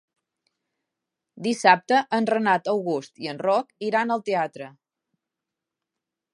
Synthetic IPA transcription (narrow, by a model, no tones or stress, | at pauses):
d̪isap̚t̪əʔənrənat̪əwɣust̪iənrɔkiɾanəlˠt̪eat̪ɾə